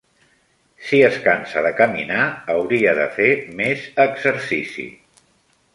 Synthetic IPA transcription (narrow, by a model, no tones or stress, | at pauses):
siəskansəðəkəmḭnaəwɾiəðə̰femezəɡzəɾsisḭ